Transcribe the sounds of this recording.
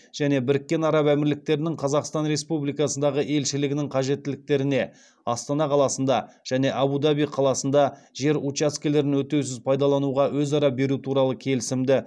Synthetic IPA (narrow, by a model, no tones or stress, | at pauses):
ʒ̥æne̞bɪɾɪkʲːe̞nɑɾɑpæmɪɾlɪk̚t̪e̞ɾɪnɪŋqʰɑzɑqst̪ɑnɾe̞spublijkɑsənd̪ɑʁəʔe̞lʃɪlɪɡʲɪnɪŋqʰɑʒe̞t̪ːɪlɪk̚t̪e̞ɾɪne̞ | ɑst̪ɑnɑqʰɑlˠɑsənd̪ɑ | ʒ̥æne̞ʔɑbud̪ɑbijqʰɑlˠɑsən̪d̪ɑ | ʒe̞ɾut͡ʃaskʲele̞ɾɪnwɵt̪ːews̬ɪzpʰɑjd̪ɑlˠɑnuʁɑwɵzɑɾɑbe̞ɾut̪ʰuɾɑlˠəkʲʰe̞lɪsɪmd̪ɪ